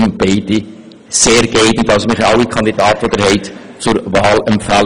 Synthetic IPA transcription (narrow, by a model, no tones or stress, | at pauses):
nb̥ɛɪdi | seːɾɡɛɪdn̩tɑlsomɪχɑwikʰɑnd̥̪idɑːtvodɛɾhɛɪt | t͡sʊɾvɑːlɛmpfæl